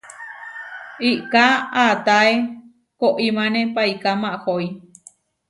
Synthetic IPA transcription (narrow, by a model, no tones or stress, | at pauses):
iʔkaat̪ae | koʔimãnẽpaikamãʔhoi